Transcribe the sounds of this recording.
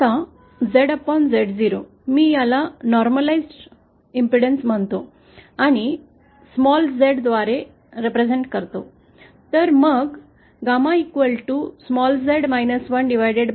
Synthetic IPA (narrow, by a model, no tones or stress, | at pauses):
a | d͡zeɽəpɔnd͡zeɽd͡ziɾo | miːjalanɔɾməlaizʈ | impɾiɽensm̤əɳt̪o | aɽ̃i | smɔld͡zeɽd̪ʋaɾe | ɾepɾed͡zeɳʈkəɾt̪o | t̪əɾməɡ | ɡamãikʋəlʈusmɔld͡zeɽmajnəsʋəɳɖiʋ̤ajɽeɽ